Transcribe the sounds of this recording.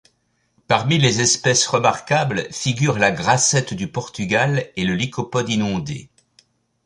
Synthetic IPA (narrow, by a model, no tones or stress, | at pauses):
paʁmilezɛspɛsʁəmaʁkablfiɡʲyʁlaɡʁasɛt̪d̪ypɔʁt̪yɡaleləlikʰɔpɔd̪inɔ̃d̪ḛ